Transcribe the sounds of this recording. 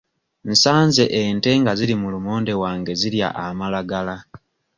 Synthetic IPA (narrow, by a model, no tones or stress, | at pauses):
nsaːnze̞ʔente̞ŋɡaziɾimulumoːnde̞waːŋɡe̞ziɾja̰ʔamalaɡala